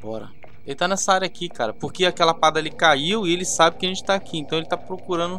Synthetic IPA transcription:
ɔ̰ɾɐ̰ | elɪt̪anɛsɐaɾjɐaːkikaɾɐpoɾkeakɛlɐpad̪ɐalikaiwɪelɪsabɪkɪɐʒẽt͡ʃɪ̥t̪aːkʰiẽt̪ɐ̃elɪt̪apɾokuɾɐ̃nd̪ʊ

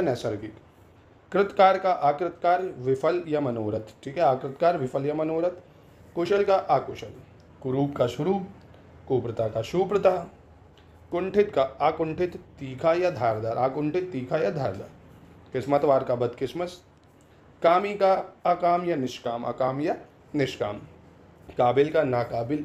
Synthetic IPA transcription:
jɐnɛːsɐɾɡɪk | kɾɪt̪kaːɾkaʔaːkɾɪt̪kaːɾʋɪfʰɐljɐmɐnoːɾɐt̪ʈʰiːkɦɛaːkɾɪt̪kaːɾʋɪpʰɐljɐmɐnoːɾɐt̪ | koʃɐlkaʔaːkoʃɐl | kʊɾuːbkaʃʊɾuː | koːpɾət̪aːkaʃuːpɾət̪aː | kʊɳʈʰɪt̪kaakʊ̃ɳʈʰɪt̪ːiːkʰajad̪ʱaːɾd̪aːɾaːkʊɳʈʰɪt̪ːiːkʰajad̪ʱaːɾd̪a̰ːɾkɪsmɐt̪ʋaːɾkabɐd̪kɪsmɐs | kaːmikaɐkaːmjɐnɪʃkaːmɐ̰kaːmjɐ | nɪʃka̰ːm | kaːbɪlkanaːkaːbɪl

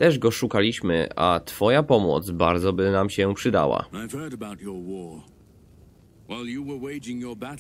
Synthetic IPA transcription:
t̪ɛʐɡɔʂukalʲiɕmɘ̰ʔa̰t̪fɔjapɔmɔ̰t̪sbaɾd̪zɔbɘnamɕɛpʂɨd̪a̰wa̰aɪv̥hɜ˞ɾəbaʊt͡ʃə˞wɔ | waɪlˠjɨwə˞weɪd͡ʒɪ̃ŋjə˞bæɾ

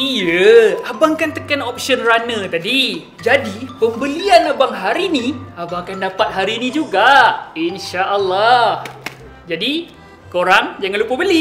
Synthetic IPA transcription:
ijəabaŋkant̪əkanop̚siənranə̃t̪adi | d͡ʒadipəmbəlianabaŋɦaɾinĩabaŋkandapat̪̚ɦaɾinĩd͡ʒuɡainʃaʔəlːah | d͡ʒadi | koɾaŋd͡ʒaŋanlupəbəli

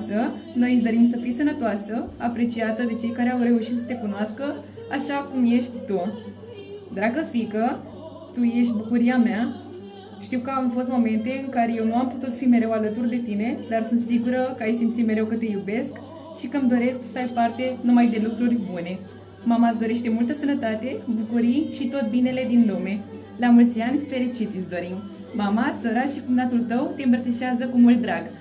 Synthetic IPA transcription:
səno̞jisd̪o̞ɾimsəfijsənət̪oasəapɾe̞t͡ʃiat̪əd̪e̞t͡ʃe̞jkaɾe̞awɾe̞uʃit̪sət̪e̞kunoaskə | aʃakumje̞ʃt̪ʲt̪u | d̪akəfikə | t̪uje̞ʃ̬t̪ʲbukuɾiamea | ʃt̪iwkəamfo̞st̪mo̞me̞nt̪e̞ɨŋkaɾe̞je̞wnuamput̪ut̪fime̞ɾe̞walət̪urd̪e̞t̪ine̞d̪arsunt̪siɡuɾəkəajsimt̪sime̞ɾe̞wkət̪e̞jube̞sk | ʃikəmd̪o̞ɾe̞skssəajpart̪e̞numajd̪e̞lukɾurʲbune̞ | mamas̬d̪o̞ɾe̞ʃt̪e̞mult̪əsənət̪at̪e̞bukuɾijʃit̪o̞t̪̚bine̞le̞d̪inlume̞ | lamult̪sʲianʲfe̞ɾit͡ʃit̪sʲisd̪o̞ɾim | mamasəɾaʃikumnat̪ult̪əwt̪e̞ɨmpɾət̪iʃeazəkumult̪d̪ɾaɡ

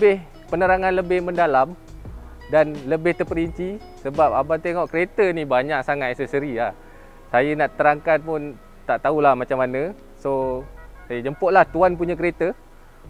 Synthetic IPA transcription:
əbɪh | pənəɾaŋanləbɪhməndalam | danləbɪht̪ərpəɾiɲt͡ʃi | səbap̚abat̪eŋɔʔkəɾet̪ənibaɲaʔsaŋat̪̚ɛsəsəɾilah | sajənaʔt̪əɾaŋkat̪̚pʊn | t̪aʔt̪aulahmat͡ʃamːanə̃ | sosajəd͡ʒəmpʊʔ̪̚laht̪uanp̬uɲak̬əɾet̪ə

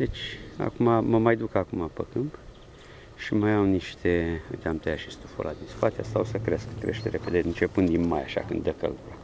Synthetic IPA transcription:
d̪e̞t͡ʃʲa̰kumaməmajd̪ukakumapəkɨmp | ʃimajawniʃt̪ʰeɨ̰t̪ʲamt̪əjaʃist̪ufo̰lʔa̰d̪inskwat̪easawsəkɾe̞skkɾe̞ʃt̪eɾeped̪eɨnt͡ʃe̞pɨnd̪inmajaʃa̰kɨnd̪d̪əkə̰ld̪uɾa

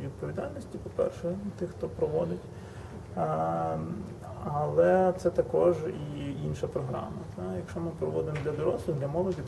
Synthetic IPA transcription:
ʋʲid̪̚pɔʋʲid̪ɑlʲnɔsʲtʲipɔpɛ̰rʃɛt̪ɪxt̪ɔpɾɔʋɔd̪ɪtʲ | ɐlˠɛt̪sɛt̪ɐkɔʒiinʃɐpɾɔɦɾɑ̰mɐt̪ajɐkʃt͡ʃɔmɪpɾɔʋɔd̪ɪmɔd̪lʲɐd̪ɔɾɔslˠʊd̪lʲɐmɔlˠɔdʲi

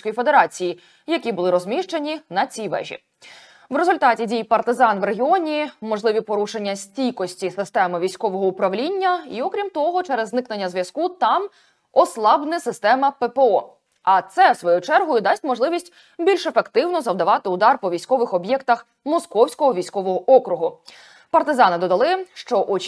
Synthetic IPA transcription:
kɔjifed̪e̞ɾɑt͡sʲiji | jɐkʲibʊlˠɪɾɔzʲmʲiʃt͡ʃenʲinɐt͡sʲiʋɛ̰ʒʲḭ | ʋɾezʊlʲt̪ɑtʲidʲijpɐrt̪ɪzɑnʋreɦʲɪɔnʲimɔʐlˠɪʋʲipɔɾuʃenʲːɐsʲtʲijkɔsʲtʲisɪst̪ɛmɪʋʲijsʲkɔʋɔɦɔʊpɾɐʋlʲinʲːɐiɔkɾʲimt̪ɔɦɔt͡ʃɛɾezːnɪknenʲːɐzʋʲjɐskut̪ɑm | ɔslˠɑbnɪsɪst̪ɛmɐpepeɔ | ɐt̪sɛsʋɔjut͡ʃɛrɦɔjʊd̪ɑsʲtʲmɔʒlˠɪʋʲisʲtʲ | bʲilʲʃefekt̪ɪwnɔzɐwd̪ɐʋɑt̪ɪʊd̪ɑrpɔʋʲijsʲkɔʋɪxɔbʲjɛkt̪ɐx | mɔskɔwsʲkɔɦɔʋʲijsʲkɔʋɔɦɔʔɔkɾʊɦʊ | pɐrt̪ɪzɑnɪd̪ɔd̪ɐlˠɪʃt͡ʃɔʔɔ

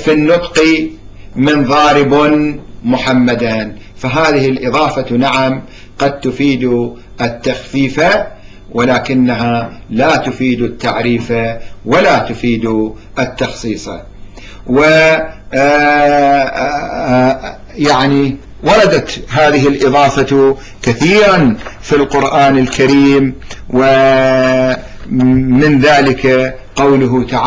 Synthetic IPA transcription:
finːʊt̪ˤqi | mɪnðˤɑːɾɪbnmʊħamːad̪an | faɦaːðɪhɪlʔɨðˤɑːfanaʕam | qɑd̪̚t̪ʊfiːd̪u | ʔɪt̪ːaxfiːfa | wʔɪlaːkɪnːaɦa | laːt̪ʊfiːd̪t̪ːaʕɾiːfawalat̪ʊfiːd̪u | ʔɪt̪ːɑxsˤiːsˤɑ̰ | wɪ | jaʕni | wɑɾˤɑd̪at̪ɦaːðɪɦɪlʔɨðˤɑːfa | kaθiːɾanfilqʊɾʔaːnɪlkaɾiːmwɪ | mɪnðaːlɪka | qawlʊɦʊt̪aʕ

